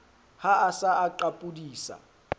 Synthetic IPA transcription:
haasaaǃapʼudiːsa̰

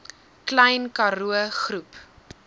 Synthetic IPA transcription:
klɛjnkɐɾuəχrup

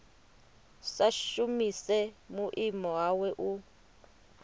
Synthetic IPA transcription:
saʃumisɛmuʔimɔwawɛʔu

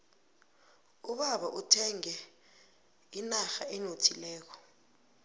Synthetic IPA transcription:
uɓaɓaʔutʰɛŋɛ | inaxaʔɛnotʰilɛːk̬ɔ̥

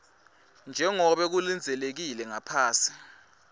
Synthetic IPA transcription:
nd͡ʒʱɛŋɔɓɛk̬ulind͡zʱɛlek̬ilɛŋapʰaːsi̥

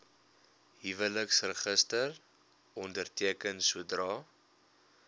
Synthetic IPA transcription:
ɦivələksrəχəstər | ɔndərtiəkənsuədrɑː

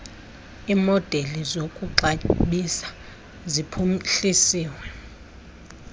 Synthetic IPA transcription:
iːmɔd̥ʱelizokʼuǃaɓisḁ | zipʰumɬisiːwɛ

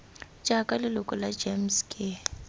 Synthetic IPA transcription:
d͡ʒ̥ʱʼakʼalɪlʊkʼɔlad͡ʒemskʼɪ

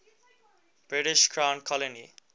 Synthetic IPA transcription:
b̥ɾiʈiʃkʰɾankʰɔleni

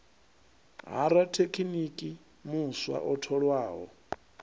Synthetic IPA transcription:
ɦa̰ɾatʰekʰinikʼi | muswa̰ʔɔtʰɔɺwaːɦɔ̰

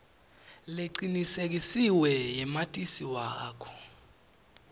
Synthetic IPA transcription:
leǀinisek̬isiwɛjɛmatʼisiwaːkʰɔ̥

